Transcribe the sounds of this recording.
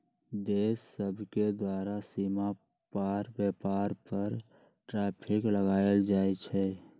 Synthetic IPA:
d̪eːsːəbʱked̪waːɾasima | paːɾbɛːpaːɾpəɾ | ʈɾɛːpʰɪkləɡaːəld͡ʒaːet͡ʃʰɛ

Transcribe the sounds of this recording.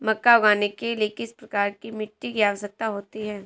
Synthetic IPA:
mɐkːaʊɡaːnekeliekɪspɾɐkaːɾkimɪʈːiɡiaːʋsɐk̚t̪aɦoːt̪iɦɛː

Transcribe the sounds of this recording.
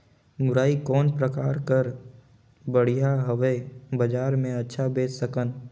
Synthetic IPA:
mʊɾaːikɔːnpɾəkaːɾkəɾ | bəɽ̤ijaɦəʋebɐd͡ʒaːɾmẽɐtːʃʰabeːt͡ʃsəkən

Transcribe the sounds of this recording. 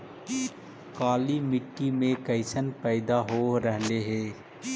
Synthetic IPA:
kaːlimɪʈːimẽkəɪsənpɛːd̪aɦoɾəɦleɦɛː

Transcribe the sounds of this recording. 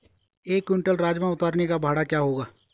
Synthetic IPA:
eːkwɪɳʈəlɾaːd͡ʒmãʊt̪aːɾnekabʱaːɽakjaːɦoːɡaː

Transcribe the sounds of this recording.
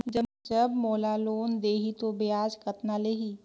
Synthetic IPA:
d͡ʒɐd͡ʒɐbmoːlaloːnd̪eːɦit̪obejaːd͡ʒkɐt̪naleːɦi

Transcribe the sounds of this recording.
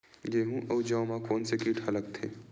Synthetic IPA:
ɡeːɦũʔəːd͡ʒawmakɔːnsekiːʈʰɐləɡt̪ʰḛː

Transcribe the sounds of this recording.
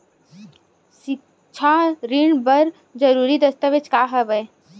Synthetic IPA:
si | t͡ʃʰaɾiɳbɐɾ | d͡ʒɐɾuːɾid̪ɐst̪əʋet͡ʃkaːɦɛbəe

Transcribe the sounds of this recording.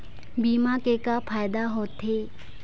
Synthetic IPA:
biːmakeːkapʰaːjd̪aɦoːt̪ɦeː

